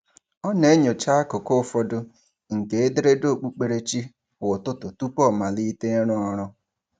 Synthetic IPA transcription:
ɔ˦ne˦ɲo˨t͡ʃa˦a˦kʊ˨ko˦fɔ˦dʊ˦ | ŋ̩˨ke˨˦e˦de˦ɾe˦do˦˨k͡pu˦k͡pe˨ɾe˦t͡ʃi˦˨ | wʊ˨tʊ˦tʊ˨tu˦pɔ˦˨ma˨li˦te˦ɾʊ˦ɔ˦ɾʊ˦

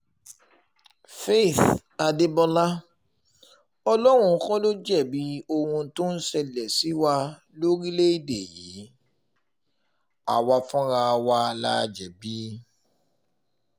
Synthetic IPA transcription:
fe˦˨θ | a˧de˧bɔ˧la˦ | ɔ˧lɔ˦ɾ̃ũ˧˦kɔ̃˦lo˦d͡ʒɛ˦˨bi˨˦o˧hũ˧˦to˦n̩˦sɛ˧lɛ˨si˨˦wa˧ | lo˦ɾi˦le˦i˦˨de˨jḭ˨˦ | a̰˨wa˧fɔ̃˦ɾa˧wa˧la˧d͡ʒɛ˨bi˦

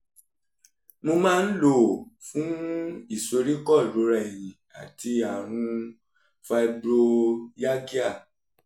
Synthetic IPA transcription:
mõ˧mãː˦n̩˦lo˦˨fũ˨˦i˦˨so˧ɾi˦kɔ˦˨lo˨˦ɾa˧˨i˨j̃ĩ˨a̰˨ti˧a˨ɾ̃ũ˧ | fa˧bɾo˧ja˦ki˦a˦˨

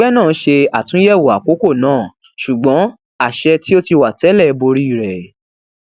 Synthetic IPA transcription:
ɛ˦nãː˦˨˦ʃe˧a˨tũ˨˦jɛ˦˨wo˨a˨ko˨˦ko˦˨nãː˦˨ | ʃu˨ɡ͡bɔ̃˨˦ | a˦˨ʃɛ˧ti˦o˦ti˧wa˨tɛ˨˦lɛ˦˨˦bo˧ɾi˦i˦˨ɾɛ˨

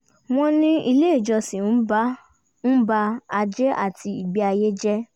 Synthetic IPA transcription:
w̃ɔ̃˦nĩ˦i˧le˦˨d͡ʒɔ˧sĩ˨n̩˦b | n̩˦ba˧a˧d͡ʒɛ˦ʔa̰˦˨tʰi˧i˨ɡ͡bi˨˦a˧je˦d͡ʒɛ˦

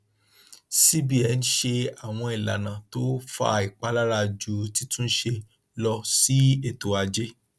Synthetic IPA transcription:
si˦bi˨˦ɛ˨˦n˦ʃe˧a˨w̃ɔ̃˧i˨la̰˨nã˨to˦fa̰˧i˨k͡pa˦la˦ɾa˧d͡ʒu˦ti˦tũ˦n̩˦ʃe˧ | lɔ˧si˦e˦˨to˨a˨d͡ʒe˦

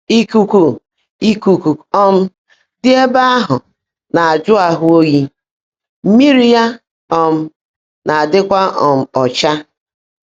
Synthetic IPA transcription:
i˦ku˨ku˨ | i˦ku˨ku˨ɔ˦m̩˦ | dɪ˦e˦ba˦a˦ɦʊ˨ | na˨a˨d͡ʒʊ˦a˨ɦʊ˦o˦ɣi˦ | m̩˦mi˦ɾi˦ja˦ | ɔ˦m̩˦ | na˨a˨dɪ˦kʷa˦ɔ˨m̩˨ɔ˨t͡ʃa˦

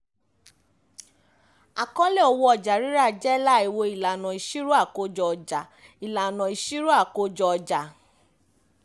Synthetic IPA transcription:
a˨kɔ̃˦le˦˨ɔ˧wo˧ɔ˧˨d͡ʒa˨ɾi˦ɾa˦˨d͡ʒɛ˦la˦˨i˨wo˧i˨la˨nɔ̃˨i˨ʃi˦ɾu˦a˦˨ko˧d͡ʒɔ˧ɔ˨d͡ʒa˨ | i˨la˨nã˨i˨ʃi˦ɾu˦a˦˨ko˧d͡ʒɔ˧ɔ˨d͡ʒa˨

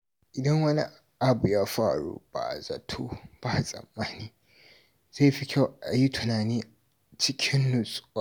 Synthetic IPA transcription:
ʔɪ˨dɐ˦ŋwɐ˦nḭ˦ | ʔa˦bu˨jaː˦ɸa̰ː˦˨ɽṵ˦b̥a̰˨zɐ̰˨tʰo˦b̥a˦˨sʼɐ̰˨mːaː˦niː˦ | z̥a˦˨ɸi˦kʲʰa˦˨ʔa˨ji˦tʰʊ˨naː˨niː˦ | t͡ʃɪ˦kʲʰɪ˦nːʊ˨sʼʊ̥˦wa˦˨

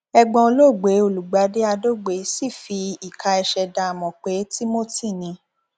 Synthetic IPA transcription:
ɛ˧ɡ͡bɔ̃˧lo˦˨ɡ͡be˨˦o˦˨lu˨ɡ͡ba˨˦de˦a˧do˦ɡ͡be˨˦si˦˨fi˧i˨ka˧ɛ˧ʃɛ˧da˧a˨mɔ̃˨k͡pe˨˦ti˦mo˦ti˦˨nĩ˧

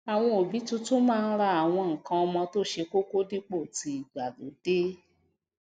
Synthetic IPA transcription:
a˨w̃ɔ̃˧o˨bi˨˦tũ˦to˦mãː˦˧n̩˦ɾa˧a˨w̃ɔ̃˧ŋ̩˨kã˧ɔ˧mɔ̃˧to˦ʃe˧ko˦ko˦di˦k͡po˦˨ti˨˦i˨ɡ͡ba˨lo̰˨˦d̥e˦

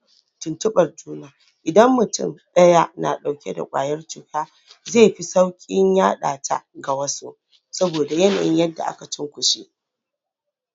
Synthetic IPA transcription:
tʊ˨ntʊ˦ɓɐ˨rd͡ʒuː˦naː˨ | ʔɪ˨dɐ˦mːʊ˨tʊ̰˦˨mɗɐ˦ja˦na˨ɗa˨wkʲe˦da̰˨kʷʼa̰ː˨jɐ˦rt͡ʃʊ˨kaː˦ | zeː˦˨ɸi˦sa˦wkʲʼɪ˦ɲjaː˦ɗa̰ː˨tʰa̰˦ɡa˨wɐ˦su˦ʔ | sɐ˦boː˨da˨jɐ˦na̰˨jɪ̰˦ɲjɐ˦dːa̰˨ʔa̰˦ka˨t͡ʃɪ˦ŋkʷʊ˨ʃi˦ʔ

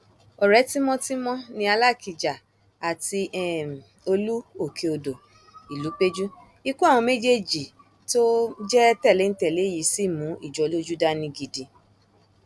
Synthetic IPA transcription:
ɔ˨ɾɛ˨˦ti˦mɔ̃˦ti˦mɔ̃˦nĩ˧a˧la˦˨ki˨d͡ʒa˨ | a˨ti˧ɛ˨ | o˧lu˦o˦˨kʰe˧o˧˨do˨ | i˨lu˨˦k͡pe˦d͡ʒu˦ | i˧ku˦ã˦˨ɔ̃˧me˦d͡ʒe˦d͡ʒi˨ | to˦d͡ʒɛ˦tɛ˦˨le˨˦n̩˦tɛ˦˨le˨˦˨ji˨˦si˦˨mũ˨˦i˦˨d͡ʒɔ˨˦lo˦d͡ʒu˦da˦nĩ˧ɡi˧di˧

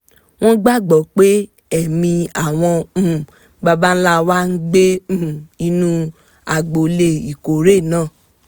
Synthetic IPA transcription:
w̃ɔ̃˦ɡ͡ba˦˨ɡ͡bɔ˨˦k͡pe˦ | ɛ˦˨mĩ˧a˨w̃ɔ̃˧˦˨ | ba˧ba˦n̩˦la˦˨wa˦n̩˦ɡ͡be˦˨i˧nũ˦ | a˨ɡ͡bo˨le˧˨i˨ko˨ɾe˦˨nãː˦˨

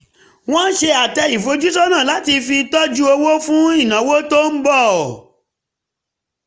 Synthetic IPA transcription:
w̃ɔ̃˦n̩˦ʃe˧a˨tɛ˧i˨fo˨˦d͡ʒu˦sɔ˦nãː˦˨la˨˦ti˧fi˧tɔ˦d͡ʒu˦o˧wo˦fũ˦i˦˨nã˨˦wo˦to˦n̩˦bɔ˦˨

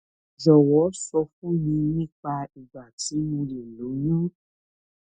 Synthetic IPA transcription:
zɔ˨wɔ˨˦sɔ˧fũ˦mĩ˧nĩ˦˨k͡pa˧i˨ɡ͡ba˨ti˨˦mũ˧le˨lu˨˦nũ˦

